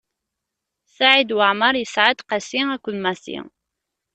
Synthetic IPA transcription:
saʕid̪wəʕməɾˤjəsʕad̪qæsiækʷːənmæθḭ

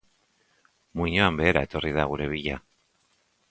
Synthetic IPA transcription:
muɲoambe̞ːɾae̞t̪o̞riðaɣ̞uɾe̞β̞iʎa

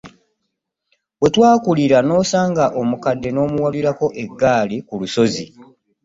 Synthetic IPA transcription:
we̞twaːkuliɾano̞ːsaːŋɡaʔo̞mukadːe̞no̞ːmuwaliɾako̞ʔe̞ɡːaːlikuluso̞zi

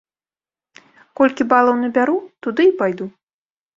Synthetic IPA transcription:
kɔlʲkʲibalˠɐwnɐbʲaɾut̪ud̪ɨipajd̪u

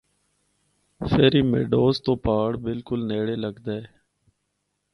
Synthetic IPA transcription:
fʰeːɾiːmḛːɖoːst̪õːpaːɽbɪlkʊlneːɽeːləɡd̪aeː

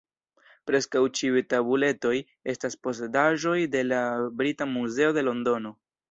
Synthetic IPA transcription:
pɾe̞skawt͡ʃiujtabule̞to̞j | e̞staspo̞se̞daʒo̞jde̞labɾitamuze̞o̞de̞lo̞ndo̞no̞

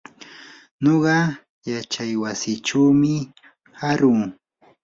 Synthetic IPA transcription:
noɢɑ | jat͡ʃajwasɪt͡ʃawmɪ | haɾʊŋ

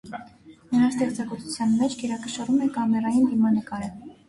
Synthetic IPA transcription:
nəɾɑst̪ɛχt͡sɑɡɔt̪ʰu̥t͡sʰjɑnmɛt͡ʃʰɡɛɾɑkəʃɑɾumɛkɑmɛrɑjind̪imɑnəkɑɾə

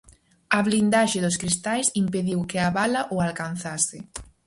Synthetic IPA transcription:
ɐβlind̪aʃɪðʊskɾist̪ajsimpeðiwkeaβalɐʔowalkan̟θasɪ

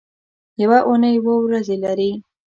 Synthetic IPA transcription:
jawaʔunəjwowɾazelaɾi

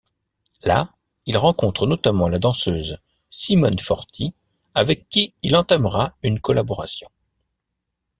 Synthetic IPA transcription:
la | ilʁɑ̃kɔ̃t̪χənɔt̪amɑ̃lad̪ɑ̃søːz | simɔnfɔʁt̪ʰi | avɛkːiːlɑ̃t̪amʁaynkɔlabɔʁa̰sjɔ̃

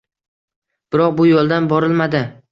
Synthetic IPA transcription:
b̥ɪɾɒq̚bʊjolˠd̪anbɒɾɪlmad̪ɪ

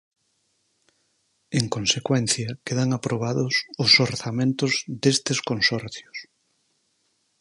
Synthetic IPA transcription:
eŋkonsekwɛnθjɐkeðaŋapɾoβaðʊsʊsoɾθamẽnt̪ʊzðest̪eskonsɔɾθjʊs

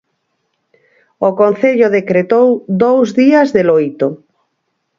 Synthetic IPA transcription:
okon̟θeʎoðekɾet̪owd̪owzðiazðelojt̪o

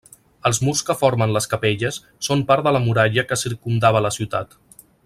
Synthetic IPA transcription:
əlˠzmurskəfoɾmənləskəpeʎəsːompaɾðələmuɾaʎəkəsiɾkumd̪aβ̞ələsiwt̪a̰t̪

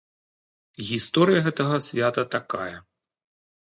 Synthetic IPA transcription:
ɣʲist̪ɔɾɨjɐɣɛt̪ɐɣɐsʲvʲat̪ɐt̪akajɐ

